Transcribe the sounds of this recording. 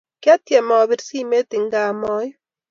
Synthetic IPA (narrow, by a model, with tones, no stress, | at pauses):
kja˦t̪je˨mɔː˨βiɾsi˦me˦t̪i˨ŋɡaːmɔː˦j